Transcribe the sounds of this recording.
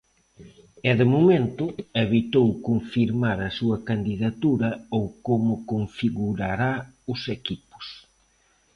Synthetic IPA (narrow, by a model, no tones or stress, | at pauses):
ɛðɪmomẽnt̪ʊeβit̪owkoɱfiɾmaɾɐsuɐkand̪iðat̪uɾɐowkomʊkoɱfiɣuɾaɾaʊsekipʊ̥s